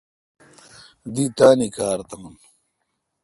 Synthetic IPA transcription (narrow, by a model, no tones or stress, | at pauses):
d̪it̪aːnikaːɾt̪ɐŋn